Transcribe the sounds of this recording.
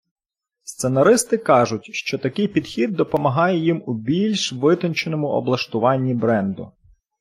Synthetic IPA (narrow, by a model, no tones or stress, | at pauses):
st̪senɐɾɪst̪ɪkɑʒʊt̚ʲʃt͡ʃɔt̪ɐkɪjpʲid̪xʲid̪ːɔpɔmɐɦɑjɛjimubʲilʲʃʋɪt̪ɔnt͡ʃenɔmʊɔ̰blˠɐʃt̪ʊʋɑnʲːibɾɛnd̪ʊ̰